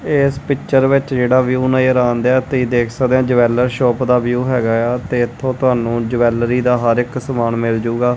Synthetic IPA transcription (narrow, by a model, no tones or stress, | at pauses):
ɪspɪkt͡ʃəɾʋɪt͡ʃd͡ʒeːɽaːʋjuːnaːiːəɾaːnd̪ɛːt̪iːd̪eːkʰsəkd̪ẽãːd͡ʒəʋɛːləɾʃɔːpd̪aːʋjuːɦɛːɡaːaːt̪eːɪt̪ʰːõːt̪ʊaːnũːd͡ʒəʋɛːlɾiːd̪aːɦəɾɪksəmaːnmɪld͡ʒuːɡaː